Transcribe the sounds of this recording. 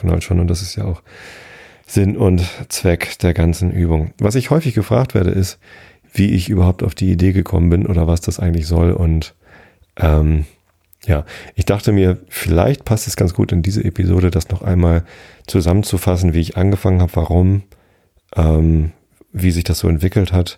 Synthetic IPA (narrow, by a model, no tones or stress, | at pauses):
na̰lʃoːnʊntd̥as̬ɪstjaːaʊx | z̥ɪnʊntt͡sv̥ɛkd̥eːɐɡant͡sn̩ʔyːbʊŋvas̬ɪçhɔʏfɪçɡ̥əfʁ̥a̰ːktv̥ḛːɐɾə̰ʔɪst | v̥iːʔɪçʔyːbɐhaʊpta̰ʊfd̥iːideːɡəkʰɔ̰mənbɪnʔo̰ːdɐvasd̥asʔa̰ɪɡŋ̩tlɪçz̥ɔlʔʊnt | ʔɛːm | jaːʔɪçd̥aχtəmiːɐfɪla̰ɪçt̚pʰastɛsɡ̥ant͡ssɡ̥ṵːtɪndiːzə̰ʔepizo̰ːɾədasnɔχʔa̰ɪnmaːl | t͡suzamənt͡sufasn̩viːɪçʔanɡəfaŋənhaːbəvaʁʊm | ʔɛːm | viːzɪçd̥asz̥o̰ːɛntv̥ɪkl̩that